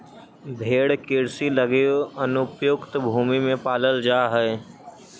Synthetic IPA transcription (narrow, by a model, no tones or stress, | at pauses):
bʱeːɽkɪɾsiləɡeoɐnʊpjʊkt̪bʱuːmimẽpaːləld͡ʒaːɦɛ